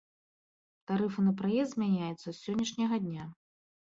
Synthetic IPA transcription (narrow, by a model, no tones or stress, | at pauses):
t̪aɾɨfɨnɐpɾajɛsd̪zʲmʲanʲajut̪sːɐsʲːɔnʲːɐʂnʲɐɣɐd̪ʲnʲa